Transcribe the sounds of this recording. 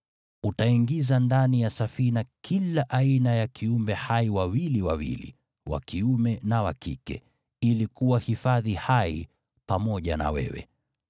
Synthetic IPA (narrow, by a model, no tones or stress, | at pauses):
utaiŋɡizandanijasafinakʰilaʔainajakʰiumbɛhaiwawiliwawḭlḭ | wa̰kiumɛnawakḭkɛ̰ | ilikuwahifaðihai | pamɔʄa̰na̰wɛ̰wɛ̰